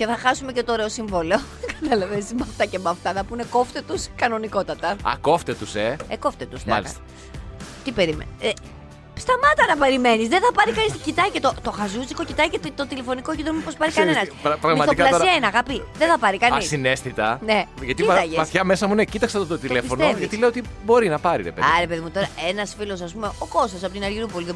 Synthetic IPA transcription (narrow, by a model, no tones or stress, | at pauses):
ce̞θɐxɐsumecet̪oːɾe̞o̞siɱvoleo | kɐt̪ɐlɐvesmɐft̪ɐcemɐft̪ɐθɐpuneko̞ft̪et̪uskɐno̞niko̞t̪ɐt̪ɐɐ̰ko̞ft̪et̪useeko̞ft̪et̪usmɐ̰list̪ɐ | t̪ipe̞ɾimḛn | st̪ɐmɐt̪ɐnɐpe̞ɾime̞nizðeθɐpɐɾikɐniscit̪ɐicet̪ot̪o̞xɐzusiko̞cit̪ɐicet̪t̪ot̪ile̞fo̞nikocid̪ɾomipo̞spɐɾikɐne̞nɐspɾɐɣmɐtsoikɐɐoienɐɐɣɐpiðeθɐpɐɾikɐnisine̞st̪it̪ɐneʝɐt̪iɐʝeɐsθçɐme̞sɐmunecit̪ɐksɐt̪ot̪ot̪ile̞ifo̞noʝɐt̪ileiot̪ibo̞ɾinɐpɐɾḭɾe̞peðɐɾe̞peðimut̪o̞ɾɐe̞nɐsfilo̞sɐs̬pumeo̞ko̞st̪ɐs̬ɐpo̞t̪inɐɾʝiɾupo̞liðe